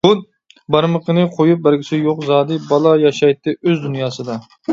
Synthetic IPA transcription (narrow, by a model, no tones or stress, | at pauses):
ud̪̚ | bɑɾməqənɨqʰojup̚bæɾɡʲʰɪt͡ʃ̪ɪjoqzɑːd̪ɨbɑlˠɑjɑʃɑjt̪ːɨʔøzd̪unjɑːsɨd̪ɑ